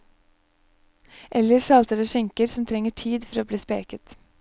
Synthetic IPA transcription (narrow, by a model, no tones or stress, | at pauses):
ʔɛləɾsɑlt̪əɾəʃɪŋkəɾsɔmt̪ʰɾɛŋəʈʰiːd̪fɔɾoːbliːspḛːkət̪